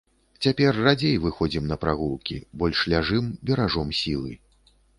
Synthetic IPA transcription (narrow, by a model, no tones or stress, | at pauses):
t͡sʲapʲɛrːad͡zʲejvɨxɔd͡zʲimnɐpɾaɣulˠkʲibɔlʲʂlʲaʐɨmbʲɛɾaʐɔmsʲilˠɨ